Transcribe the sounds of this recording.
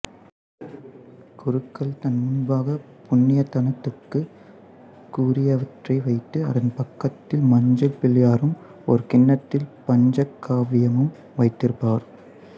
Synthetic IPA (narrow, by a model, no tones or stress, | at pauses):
kʊɾɯkːɐɭt̪ɐnmʊnbaːɣɐ | pʊnːɪjɐt̪ːɐnɐt̪ːɯkːɯ | kuːɾɪjɐʋɐʈrɐɪʋɐɪt̪ːɯɐ̰ðɐnpɐkːɐt̪ːɪlmɐɲd͡ʒɐlpɪljaːɾɯm | ɔ̰ɾɯkɪnːɐt̪ːɪlpɐɲd͡ʒɐkːaːʋɪjɐmɯm | ʋɐɪt̪ːɪɾɯpːaːɾ